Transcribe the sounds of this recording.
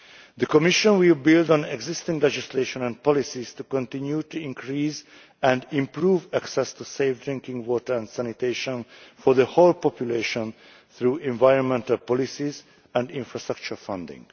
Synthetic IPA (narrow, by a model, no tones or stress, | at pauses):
d̪əkɔmiʃɔ̃nwɪlbɪldɔ̃nɛɡzɪst̪ĩŋɡlɛd͡ʒisleʃɔ̃nɛ̃nd̚pɔlisiz̥t̪ukɔ̃nt̪ɪ̃njutuĩŋkʰɹiːz | ɛ̃ndĩmpɹuːvæksɛst̪useɪfd̪ɹɪ̃ŋkɪ̃ŋɡwɔtə˞ɛ̃ndsænit̪eɪʃɔ̃nfɔðəholpɔpjuleʃɔ̃n | θɹuːɛ̃ɱvajɹɔ̃nmɛ̃ntalpɔlisiz | ɛ̃ndĩɱfɹastɹak̚t͡ʃuɹfʌ̃ndɪ̰̃ŋ